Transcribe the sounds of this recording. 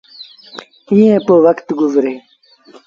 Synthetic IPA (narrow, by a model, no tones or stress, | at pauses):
ĩjẽːpowɐkt̪ɡuzɾeː